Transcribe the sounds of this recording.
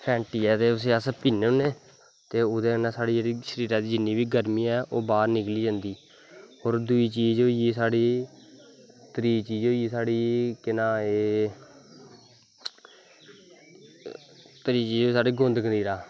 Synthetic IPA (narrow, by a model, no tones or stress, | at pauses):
pʰɛ̃ːɳʈiːɛːt̪eːʊs̬eːaspiːneːʊneː | t̪eːʊd̪ẽːnãːsaːɽiːd͡ʒeːɽiːʃəɾiːɾãːd̪iːd͡ʒɪnːiːbiːɡəɾmiːɛːʔoːbaːɾnɪkliːd͡ʒãːnd̪iː | oːɾd̪ʊiːt͡ʃiːd͡ʒoːjiːsaːɽiː | t̪əɾiːt͡ʃiːd͡ʒoːiːsaːɽiːkɪnãːeː | t̪əɾiːt͡ʃiːd͡ʒoːiːsaːɖiːɡʊ̃nd̪kəniːɾaː